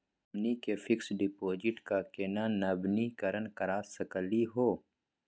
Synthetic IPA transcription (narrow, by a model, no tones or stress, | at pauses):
bnikefɪksɖipoːziʈkakeːnaːnabnikɐɾənkɐɾaːsɐkəliɦoː